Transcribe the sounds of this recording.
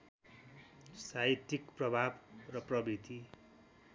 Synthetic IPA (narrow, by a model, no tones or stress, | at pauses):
sait̪ikprʌbʱabrʌprʌbit̪i